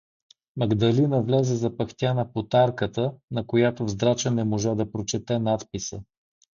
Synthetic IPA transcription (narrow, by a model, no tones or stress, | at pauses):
mɐɡd̪ɐlinəvlɛzɛzɐpɐkt̪ʲjanɐpot̪aɾkət̪ənɐkojat̪ovzd̪ɾat͡ʃənɛmoʒad̪ɐpɾot͡ʃɛt̪ɛnat̪pisə